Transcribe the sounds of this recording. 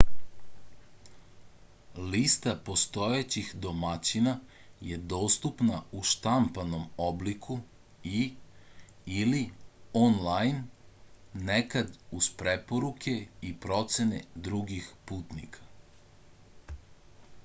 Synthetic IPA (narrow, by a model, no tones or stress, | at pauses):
list̪apo̞st̪o̞jet͡ɕixd̪o̞mat͡ɕinaje̞d̪o̞ːst̪upnauʃt̪ampano̞moblikʰu | i | ilionlajnː | ekad̪uzpɾepoɾukʰe̞ipɾo̞t̪se̞nḛd̪ɾuɡixpuːt̪nḭkʰḁ